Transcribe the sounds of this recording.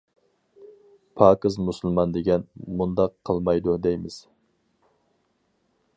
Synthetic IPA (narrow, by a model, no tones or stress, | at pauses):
pʰɑːkɨzmusɨlˠmɑnd̪ɪɡʲɛnmund̪ɑqʰːəlˠmɑjd̪ud̪ejmɪz̥